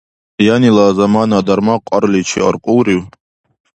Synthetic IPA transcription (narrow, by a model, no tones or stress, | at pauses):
janilazamanad̪aɾmaqʷʼaɾlit͡ʃʰḭa̰rqʷʼuwɾiw